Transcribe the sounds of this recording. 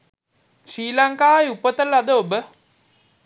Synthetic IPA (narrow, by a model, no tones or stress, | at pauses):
ɕiːlaŋkaːjupət̪əlad̪əobə